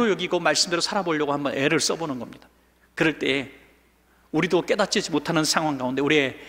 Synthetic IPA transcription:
ojʌɡiɡomaɭs͈ɯmdeɾosʰaɾaboʎːʌɡohambʌne̞ɾɯɭs͈ʌbonɯnɡʌmɲid̥ḁ | kɯɾʌɭt͈e̞e | uɾidok͈e̞dat̚t͡ɕ͈id͡ʑimotʰanɯnsʰaŋɦwaŋɡaunde̞uɾie̞

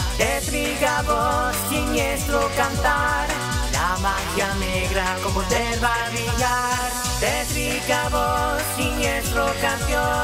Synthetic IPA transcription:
t̪et̪ɾiɣaβoskiɲeslokant̪aɾ | lamaxjaneɣɾakomod̪eɾβaɾβiʎaɾ | t̪et̪ɾiɣaβoskiɲesɾokansjo

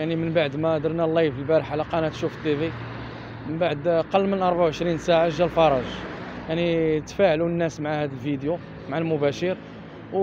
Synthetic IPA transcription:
jaʕnimənbaʕd̪mæd̪əɾˤnælːɑjfəlbæɾəħalæqɑnæt̪ʃufət̪ːibi | mənbaʕd̪qɑlːmənʔɑɾˤbaʕwʕəʃɾinsaʕaʒælfɑɾˤɑʒ | jaʕnit̪fæʕlunːæsmʕahæd̪əlfid̪ju | mʕalmʊbæʃəɾ | w

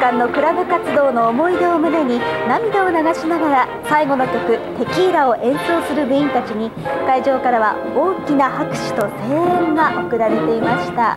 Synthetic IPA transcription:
kãnːo̞kɯ̟ɾabɯ̟kat͡sɨd̪o̞ːno̞ːmo̞id̪e̞omɯ̟ne̞ɲ̟inamʲid̪ao̞naɡaɕinaɡaɾa | saiɡo̞no̞kʲo̞kɯ̟t̪e̞kʲiːɾao̞ʔẽ̞ɰ̃so̞ːsɨɾɯ̟bɯ̟ĩnt̪at͡ɕiɲ̟i | kaiʑo̞ːkaɾaβa̰ | o̞ːkʲinahakɯ̟̥ɕi̥t̪o̞se̞ːẽŋɡaʔo̞kɯ̟ɾaɾe̞t̪e̞imaɕi̥t̪a

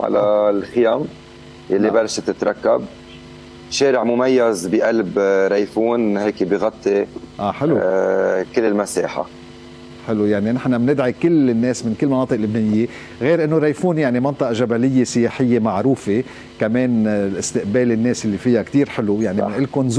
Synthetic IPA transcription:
ʕa̰la̰lxɪjaːm | jalːibalːʃt̪ɪt̪ɾˤɑkːab̚ | ʃeːɾɪʕmʊmajːazbiʔalbɾˤajfuːnheːkbiɣɑt̪ˤːiʔaːħɪlukɪlːɪlmasḛːħa̰ | ħɪlujaʕninɪħnamnɪd̪ʕikɪlɪnːeːsmɪnkɪlːmɑnɑːt̪ˤɨʔlːʊbneːnɪjːe | ɣeːɾʔɪnːoɾˤajfuːnjaʕnimɑnt̪ˤɑʔɑʒabalɪjːesɪjeːħɪjːemaʕɾuːfe | kameːnlʔɪst̪ɪʔbeːlɪnːeːsalːifɪjakt̪iːɾħɪlujaʕnimɪnʔɪlkʊnz

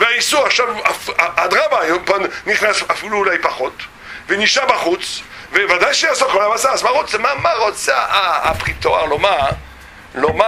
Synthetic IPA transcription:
veaisuʁaχʃavafaad̪ʁamaːjompanniχnasafiluːlajpaχot̪ | veniʃabaχut͡s | vevad̪ajʃejasokolabasasbaʁut͡smamaʁot͡saa̰ːpʁit̪oa̰ʁloma | loma

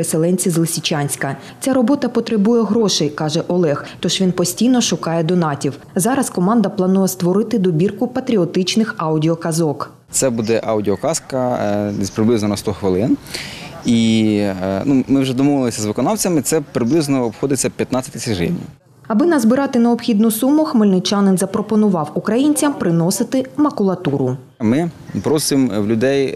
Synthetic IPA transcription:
ɾeselˠɛnʲt͡sʲizlˠɪsʲit͡ʃɑnʲsʲkɐ | t͡sʲaɾɔbɔt̪ɐpɔt̪ɾebujɛɦɾɔʃɛjkɑʒɛʔɔlˠɛxt̪ɔʒʋʲinpɔsʲtʲijnɔʃʊkɑjɛd̪ɔnɑtʲiw | zɑɾɐskɔmɑnd̪ɐplˠɐnujɛst̪ʋɔɾɪt̪ɪd̪ɔbʲirkʊpɐt̪ɾʲiɔt̪ɪt͡ʃnɪxɑwdʲiɔkɐzɔk | t̪sɛbud̪ɛʔɑwdʲiɔkɑskɐzpɾɪblˠɪznɔnɐst̪ɔxʋɪlˠɪn | i | numɪwʒɛd̪ɔmɔʋɪlˠɪsʲɐzʋɪkɔnɑwt͡sʲɐmɪt̪sɛpɾɪblˠɪznɔɔpxɔd̪ɪt͡sʲːɐpʲjɐt̪nat͡sʲɐt̪ʲɪsʲɪʒɪ̰wnʲɐ̰ | ɐbɪnɐzbɪɾɑt̪ɪnɐɔpxʲid̪nʊsumʊxmɪlʲnɪt͡ʃɑnɪnzɐpɾɔpɔnʊʋɑwʊkɾɐjinʲt͡sʲɐmpɾɪnɔsɪt̪ɪmɐkʊlˠɐt̪uɾʊ | mɪpɾɔsɪmwlʲʊd̪ɛj

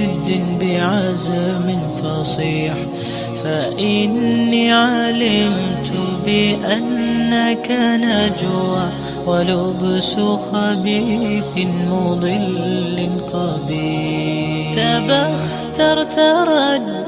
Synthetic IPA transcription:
ɪd̪ːɪnbɪʕazamɪnfɑsˤiːħ | faʔɪnːiʕalɪmt̪ʊbɪʔanːakanad͡ʒu | walʊbsʊxabiːθmʊd̪ˤɨlːɪqɑbiː | t̪abax | t̪ɑɾˤt̪ɑɾˤɑd̪

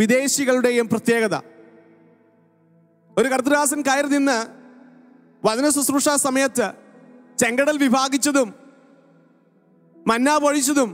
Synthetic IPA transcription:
id̪e̞ːɕiɣɐɭuɽe̞jumprɐt̪je̞ːɣɐðɐ̰ | o̞ɾukɐɾt̪̬rɨɣaːsɐnkaːjiɾninːɨ | ʋɐðɐnɐsusruʂaːsɐmɐjɐt̪ːɨ | t͡ɕe̞ŋɡɐɽɐlʋibʱaːɡit͡ɕːɐðum | ɐnːaːbɐɻit͡ɕːɐðum

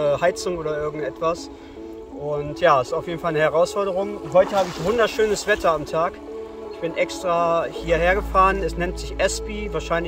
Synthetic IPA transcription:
əhaɪt͡sʊŋoːdɐɪɐɡŋ̩tɛtv̥as | ʔʊntjaːɛsɪ̥taʊfjeːdn̩falnəhɛʁaʊsfɔɐɾəʁʊŋɦɔʏtəhaːbəɪçvʊndɐʃøːnəsv̥ɛtʰɐamtʰaːk | ɪçb̥ɪnʔɛkstʁ̥aːhiːɐheːɐɡəfaːʁənɛsnɛntz̥ɪçʔɛspivaːɐʃaɪn

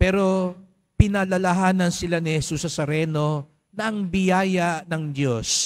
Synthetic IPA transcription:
pɛːɾo̞ | pɪnɐlɐlɐɦaːnɐnsɪlanɪhɛsusɐsɐɾɛno̞ | nɐʔɐŋbɪjaːjɐnɐŋd̪jo̞s

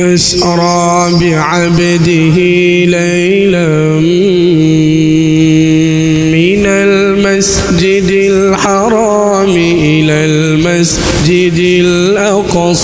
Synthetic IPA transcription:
ʔas | ɾˤɑː | bɪʕabad̪ɪɦɪ | la | j | la | m | mɪnal | mas | d͡ʒɪd̪ɪl | ħɑɾˤɑ | mɪʔɪlaːl | mas | d͡ʒɪd̪ɪ | l | ʔɑq | sˤ

